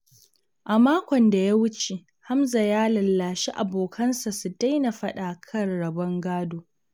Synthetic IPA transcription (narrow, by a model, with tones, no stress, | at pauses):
ʔa˨maː˦kʷɔ˨nda˨ja˦wʊ˦t͡ʃe˨ | ha˦mza˨jaː˦lɐ˨lːaː˨ʃi˦ʔa̰˨boː˨kʰɐ˦nsa˨su˨da˦jna˨ɸɐ˦ɗaː˨kʰɐ˦rɽɐ˨bɐ˦ŋɡaː˦doː˨